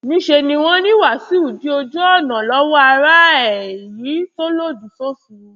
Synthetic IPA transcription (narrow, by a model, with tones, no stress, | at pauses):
nĩ˨˦ʃe˧nĩ˧w̃ɔ̃˦nĩ˦wa˦˨si˨˦u˦˨di˨˦o˧d͡ʒɔ˦ɔ˦˨nã˨lɔ˦wɔ˦a˧ɾa˦ɛ˨ji˨˦to˦lo˦˨du˨so˦sũ˧